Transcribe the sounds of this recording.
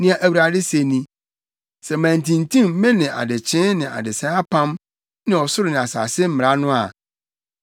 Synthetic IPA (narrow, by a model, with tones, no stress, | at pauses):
nɪ̃˦a˨ʔæ˨wi˨ɾa˨dɪ˦se˨nĩ˦ | sɛ˨mæ̃˨n˨tʰĩ˨n˨tʰĩ˦m̩˦mɛ̃˦nɪ̃˨ʔa̰˨dɪ˨t͡ɕʰɪ̃˦nɪ̃˨ʔa̰˨dɪ˨sɛ̃˦a˦pʰã˦m | nɪ̃˨ɔ˨sʊ˦ɾɪ˨nɪ̃˨a˨sa̰ː˨sɪ˦m̩˦mɪ˨ɾa˦nʊ̃˦a̰˨